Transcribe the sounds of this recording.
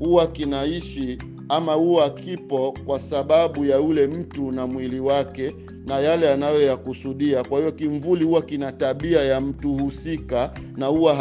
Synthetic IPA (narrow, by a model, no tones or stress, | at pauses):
huwakinaiʃi | amahukipɔkwasaɓaɓujaulɛm̩tunamwiliwakɛ | najalɛanajɔjakusuɗiakwahiɔkiɱvulihuwakinataɓiajam̩tuhusika | nahuwa